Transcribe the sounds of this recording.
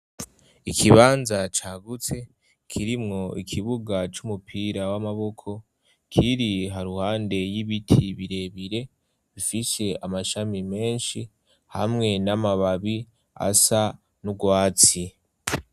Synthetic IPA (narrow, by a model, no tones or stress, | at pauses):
ikʰiβaːnzat͡ʃaɡut͡se̞ | kʰiɾimŋo̞ikʰiβuɡat͡ʃumupʰiːɾawamaβo̞kʰo̞ | kʰiɾiɦaɾuhaːnde̞jiβitʰiβiɾe̞βiɾe̞ | βifise̞amaʃamime̞ːnʃi | ha̰mŋe̞namaβaβi | a̰sa | nuɡwaːt͡si